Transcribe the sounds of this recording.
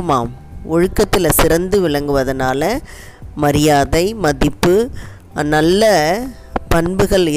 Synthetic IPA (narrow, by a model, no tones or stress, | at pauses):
maːmɔɻɯkːɐt̪ːɪlɐsɪɾɐnd̪ɯʋɪɻɐŋɡɯʋɐðɐnaːlɐ | mɐɾɪjaːðɐɪmɐðɪpːɯ | nɐlːɐ | pɐnbɯɣɐɭɪ